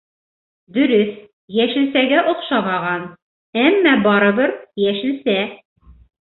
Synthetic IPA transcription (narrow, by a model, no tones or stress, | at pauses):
d̪ɵ̆ɾɵθ | jæʃɘ̆lsæɡæʔŏqʃɑβɑʁɑn | æmːæbɑɾɤ̆βɤɾjæʃɘ̆sæ